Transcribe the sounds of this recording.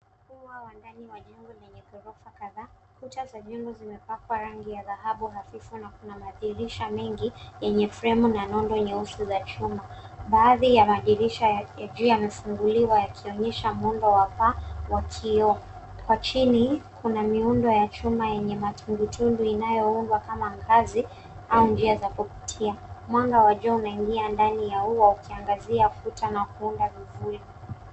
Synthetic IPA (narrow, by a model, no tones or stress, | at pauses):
kuwawandaniwaɲɔŋɡɔnɛɲɛkɔɾɔfakaða | kutazaʄɔmbɔzimɛpakwaɾaŋɡijaðaɦaɓuɦafifunakunamaðiɾiʃamɛŋɡijɛɲɛfɾɛmunanɔndɔɲɛusuzat͡ʃumaɓaːðijamaʄiɾiʃajad͡ʒiamɛfuŋɡuliwajakʰiɔɲɛʃamundɔwapawakʰiɔ | kwat͡ʃinikʰunamiundɔjat͡ʃumajɛɲɛmatuŋɡutʰunduinajɔundwakamaŋɡazi | aund͡ʒiazakupi̥tʰiamwaŋɡawaʄɔunaiŋɡiandanijauwaukʰiaŋɡaziafutanakuundavivuɾi